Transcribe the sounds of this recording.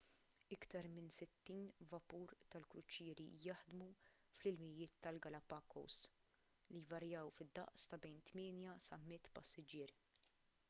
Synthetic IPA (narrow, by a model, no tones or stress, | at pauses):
ɪkt̪ɐɾmɪnsɪt̪ːiːnvɐpuːɾt̪ɐlkɾʊt͡ʃɪːɾijɐħd̪mu | flɪlmɪjɪːt̪ːɐlɡɐlɐpɐːkɔ̰ws | lijvɐɾjɐwfɪd̪ːɐ̰ʔst̪ɐbɛjnt̪mɪːnjɐsɐmːɪt̪ːpɐsːɪd͡ʒɪːɾ